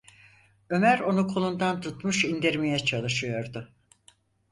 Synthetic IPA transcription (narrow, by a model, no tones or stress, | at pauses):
ø̞mæɾo̞nukʰolˠund̪ant̪ʰut̪muʃind̪iɾmijɛt͡ʃʰalˠɯʃɯjo̞ɾd̪ʊ